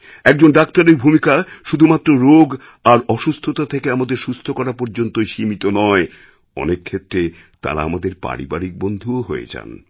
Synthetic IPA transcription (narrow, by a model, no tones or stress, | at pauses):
ɛk̚d͡ʑonɖakt̪aɾeɾbʱumikaʃud̪ʱumat̪ːɾoɾoɡ | aɾɔʃust̪ʰot̪at̪ʰekeamad̪eɾʃust̪ʰokɔɾapɔɾd͡ʑont̪oeʃimit̪onɔe | ɔ̰nekʰːet̪ːɾe | t̪a̰ɾa̰amad̪eɾpa̰ɾḭbaɾik̚bond̪ʱuoɦojḛd͡ʑa̰n